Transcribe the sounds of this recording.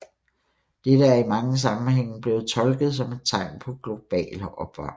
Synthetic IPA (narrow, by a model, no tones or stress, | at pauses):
d̥eɾ̥əæɐimɑ̈ŋəs̬ɑ̈mm̩ɦeŋ̰b̥le̝ːð̩ˠt͡sʰɒ̽lɡ̥ð̞̩ˠsɒ̽me̝d̥̚t͡sʰɑ̈ɪ̰mpʰɒ̽ɡ̥lo̝b̥ɛ̰ːlʔɒ̽b̥ɑ̰̈ː